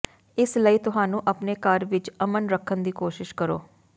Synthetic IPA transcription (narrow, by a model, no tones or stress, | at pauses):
ɪsləiːt̪ʊɦaːnũːʔəpneːkəɾʋɪt͡ʃəmənɾəkʰːənd̪iːkoːʃɪʃkəɾo̰ː